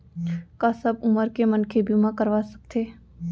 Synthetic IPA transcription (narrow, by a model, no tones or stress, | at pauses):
kasɐbʊməɾkemənkʰebimãkəɾʋasɐ̥k̚t̪ʰeː